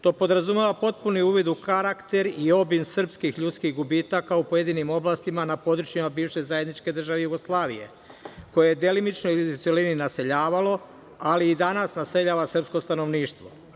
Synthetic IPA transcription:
t̪o̞ːpo̞d̪ɾazume̞ʋapo̞t̪̚puniuːʋid̪ukaɾakt̪e̞ɾio̞binsr̩pskixʎut̪skiɣɡubiːt̪akaupo̞je̞d̪iːnimo̞blˠaːst̪imanapo̞d̪ɾut͡ʃimabiːʋʃe̞zajed̪nit͡ʃke̞d̪r̩ʒaʋejuɡo̞slˠaːʋḭje̞̰ | ko̞jejed̪elimit͡ʃnojut̪selininase̞ʎaːʋalo̞ | aliːd̪anasnase̞ʎaːʋasr̩psko̞st̪ano̞ʋniːʃt̪ʋo̞̰

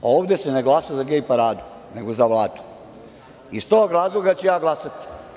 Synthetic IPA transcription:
o̞ːʋd̪eseneɡlasazaɡejipaɾaːd̪u̥ | ne̞ɡozaʋlˠaːt̪u̥ | ist̪oːɡɾaːzlˠoɡat͡ɕejaːɡlˠasat̪i̥

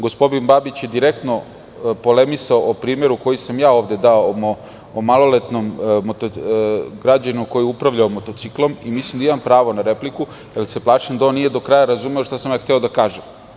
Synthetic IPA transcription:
ɡo̞spo̞d̪inbabit͡ɕjed̪iɾe̞k̚t̪no̞ | po̞le̞misaoʔopɾiːme̞ɾuko̞jisamjaːo̞ːʋd̪e̞d̪aomo | omalo̞let̪nomːot̪oɡɾad͡ʑanuko̞jiupɾaʋʎaomo̞t̪o̞t̪siklˠo̞mimislˠimd̪aimampɾaːʋo̞naɾe̞pliku | jelseplˠaːʂemd̪ao̞nːije̞d̪o̞kɾajaɾazuːmeoʃt̪asamjaːxt̪eo̞d̪akaːʒem

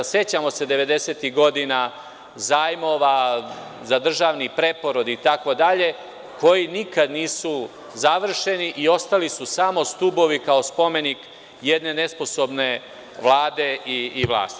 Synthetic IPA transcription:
se̞t͡ɕamo̞se̞d̪e̞ʋe̞d̪e̞se̞ːt̪iɡo̞d̪ina | zaːjmo̞ʋa | zad̪r̩ʒaʋnipɾe̞po̞ɾod̪iːt̪ako̞d̪aʎe̞ | ko̞jinikad̪niːsu | zaʋr̩ʃe̞niʔio̞st̪alisusamo̞st̪ubo̞ʋikao̞spo̞me̞nik | jed̪ne̞ne̞spo̞so̞bne̞ | ʋlˠaːd̪e̞iːʋlˠa̰ːst̪i̥

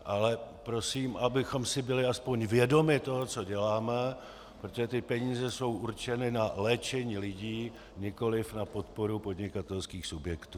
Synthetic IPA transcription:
ʔalɛpɾo̞siːmʔabɪxo̞msɪbɪlɪaspo̞ɲvjɛdo̞mɪt̪o̞ɦot͡so̞ɟɛlaːmɛ | pɾot̪oʒɛt̪ɪpɛɲiːzɛso̞wʔuɾt͡ʃɛnɪnalɛːt͡ʃɛɲiːlɪɟiː | ɲɪko̞lɪfnapo̞t̪po̞ɾupo̞dɲɪkat̪ɛlskiːxsubjɛkt̪uː

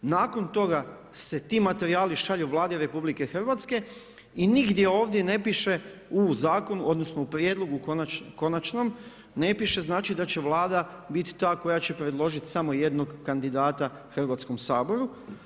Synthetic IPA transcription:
naːko̞nt̪o̞ɡa | se̞t̪iːmat̪e̞ɾiaːliʃaʎeʋlˠaːd̪iɾe̞publike̞xr̩ʋat̪ske̞ | iniɡd̪je̞o̞ːʋd̪je̞ne̞piʃe̞uzaːko̞nuʔo̞d̪no̞snoupɾje̞d̪lo̞ɡukonako̞nat͡ʃno̞m | ne̞piʃe̞znaːt͡ʃid̪at͡ɕe̞ʋlˠaːd̪a | bit̪t̪aːko̞jat͡ɕe̞pɾed̪lˠo̞ʒit̪samo̞je̞d̪no̞ɡkand̪id̪aːt̪a | xr̩ʋat̪sko̞msaːbo̞ɾu

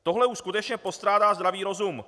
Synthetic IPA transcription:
t̪o̞ɦlɛuʃskut̪ɛt͡ʃɲɛpo̞st̪ɾaːdaːzd̪ɾaviːɾo̞zum

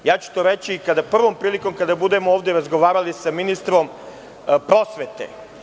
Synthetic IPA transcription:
jaːt͡ɕu̥t̪o̞ːɾet͡ɕikad̪apr̩ʋo̞mpɾiːliko̞mkad̪abud̪e̞mooːʋd̪jeɾazɡo̞ʋaːɾalisaminist̪ɾo̞m | pɾo̞sʋet̪ḛ

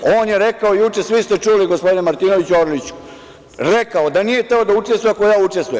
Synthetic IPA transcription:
o̞ːnjeɾekaoijut͡ʂe̞sʋist̪et͡ʂuliɡospo̞d̪inemaɾt̪inoʋit͡ɕuoɾlit͡ɕu̥ | ɾekaod̪anijet̪eod̪auʈ͡ʂest̪ʋujemakojaːut͡ʂe̞st̪ʋujem

